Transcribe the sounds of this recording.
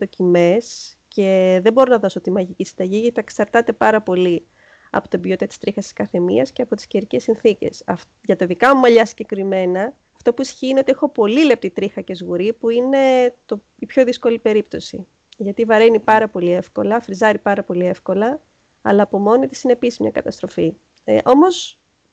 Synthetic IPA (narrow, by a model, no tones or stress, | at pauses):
t̪ocime̞s | ce̞ðe̞bo̞ɾo̞nɐðo̞sot̪imɐʝicisind̪ɐʝiʝɐt̪iɐeksɐɾt̪ɐt̪e̞pɐɾɐpo̞li | ɐ̰po̞t̪ibjot̪it̪ɐt̪i̥st̪ɾixɐst̪i̥skɐθe̞mḭɐsceɐpo̞t̪i̥sceɾice̞sinθice̞̰sɐf | ʝɐt̪ɐðikɐmumɐʎɐsi̥ɟe̞kɾime̞nɐː | ft̪o̞puisçiːineot̪iexo̞po̞lilep̚t̪it̪ɾixɐce̞zɣuɾipuine̞t̪o | ipço̞ðisko̞lipe̞ɾip̚t̪o̞sḭ | ʝɐt̪ivɐɾe̞nipɐɾɐpo̞lie̞fko̞lɐfɾizɐɾipɐɾɐpo̞lie̞fko̞lɐ | ɐlɐːpo̞mo̞nit̪i̥sine̞pisizmɲɐ̰kɐt̪ɐst̪ɾo̞fi | ʔo̞mo̞s